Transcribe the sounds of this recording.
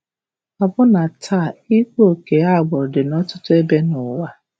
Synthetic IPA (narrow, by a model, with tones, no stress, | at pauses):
a˨bʊ˦na˨tʰa˦˨i˦ko˦˨ke˨a˦˨ɡ͡bɔ˨ɾdɪ˨nɔ˦tʊ˦tʊ˦e˦be˦nʊ˨wa˦